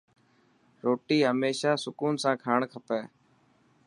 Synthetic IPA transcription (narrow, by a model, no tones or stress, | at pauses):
ɾoːʈiːɦəmeːʃaːsʊkuːnsãːkʰaːɳkʰəpeː